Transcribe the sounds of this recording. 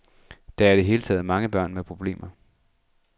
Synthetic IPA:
d̥ɑæɐid̥e̝ɦe̝ːlət͡sʰɛ̰ːð̩ˠmɑ̈ŋəb̥ɶɐ̰nmepʰʁo̝b̥le̝̰ːmɐ

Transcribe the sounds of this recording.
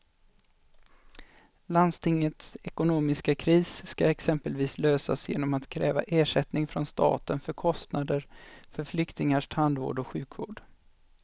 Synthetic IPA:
land̪st̪ʰɪŋːət̪sɛkʊnoːmɪskakʰɾiːsːkaɛksɛmpəlviːsløːsa̰sjḛːnɔmat̪kʰɾɛːva̰ʔeːʂɛt̪nɪŋfɾɔnst̪ɑ̰ːt̪ənfœɾkʰɔst̪nad̪əɾfœɾflʏkt̪ɪŋaʂtʰand̪vo̰ːɖɔɧʉ̟ːkvo̰ːɖ̥

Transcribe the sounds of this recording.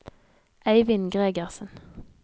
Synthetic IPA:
ʔæɪʋɪnɡʁeːɡəʁsən̩

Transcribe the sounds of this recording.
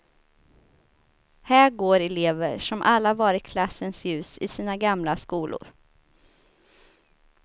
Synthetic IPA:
hæːɾɡoːɾɛleːvə̰ʂɔmʔalːahvɑːɾɪt̪kʰlasːənsjʉ̟ːsɪsiːnaɡamlaskuːlʔʊ̰ɾ

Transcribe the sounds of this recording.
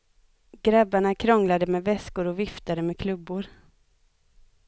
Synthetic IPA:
ɡɾabːaɳakʰɾɔŋlad̪əmɛvɛskʊɾɔvɪft̪aɾəmɛkʰlɵbːʊɾ

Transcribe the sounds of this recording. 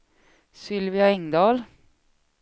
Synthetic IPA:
sʏlvɪaɛŋd̪ɑːl

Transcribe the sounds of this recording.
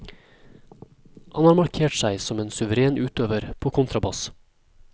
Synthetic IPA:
hɑnhɑːɾmɑɾkʰeːʈsæɪsɔmeːnsʉʋəɾeːnʔʉːt̪øːʋəɾpʰoːkʰʊnt̪ɾɑbɑs

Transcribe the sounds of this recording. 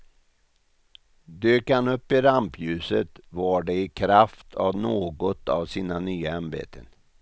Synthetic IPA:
d̪øːkhanɵpːɪɾampjʉ̟ːsət̪vɑːɖɛɪkʰɾaft̪ʰavnoːɡɔt̪ʰa̰vsiːnanyːaɛmbḛːt̪ʰə̰n

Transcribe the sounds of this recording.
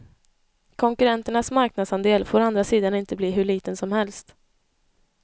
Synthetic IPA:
kʰɔŋkɵɾɛnt̪əɳasmaɾknad̪sand̪eːlfoːɾand̪ɾasiːd̪anɪnt̪əbliːɦɵɭiːt̪ənsɔmhɛlst̪

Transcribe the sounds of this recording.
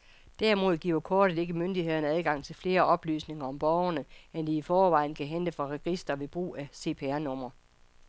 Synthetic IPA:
d̥æɐimo̝ð̞̰ˠɡ̥ḭɐɐkʰɒːɾ̥ədˠe̝ɡ̥əmønd̥iɦe̝ð̞̰ˠɐnəæðˠɡ̥ɑ̈ŋ̰t͡sʰe̝lfle̝ːɐʔɒ̽b̥ly̰ːsne̝ŋɐɒ̽mb̥ɒʊɐnəend̥iifɒːʋɑ̈ɪ̰n̩kʰæɦend̥əfɑ̈ʁɛɡ̥isd̥ɐʋe̝b̥ʁṵːæse̝̰ːpʰe̝æɐnɔ̽m̰ɐ

